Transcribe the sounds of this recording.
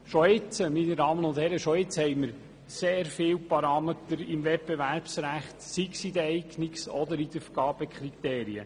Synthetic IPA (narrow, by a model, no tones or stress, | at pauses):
ʃɔɪt͡səminəɾɑːmənʊnd̥̪hɛɾəʃɔɪt͡shɛjməɾ | seːɾfɪːwpɑɾɑːmet̪əɾɪmvɛt̚b̥eʋæɾpsɾæχt̪siksid̪ɛɪkniksɔd̪əɾid̪əfɡ̥ɑːb̥əkʰɾit̪eːɾiə̰